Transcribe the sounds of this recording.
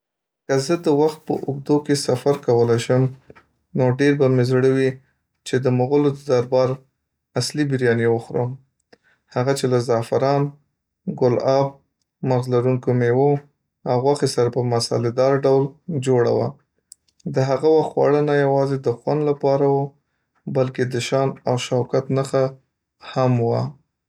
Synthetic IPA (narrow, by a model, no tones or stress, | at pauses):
kəzəd̪əwaxt̪̚pə̰ʔʊɡ̚d̪okesafaɾkawəlajʃəm | noɖeɾbamezɽəwi | t͡ʃed̪əmoɣʊlod̪əd̪aɾbɑɾ | aslibɪɾjɑnewəxɾə̰m | haɣat͡ʃelazɑfɪɾɑn | ɡʊlɑb̚ | maɾzlaɾuŋkomewo | awɣwaxesaɾapəmasa̰lɪd̪ɑɾɖawld͡ʒoɽa̰wa̰ | d̪əɦaɣawaxt̪xwɑ̰ɽənajawɑzed̪əxwand̪lapɑɾawo | balked̪əʃɑnawʃawkat̪naxa | hamwa̰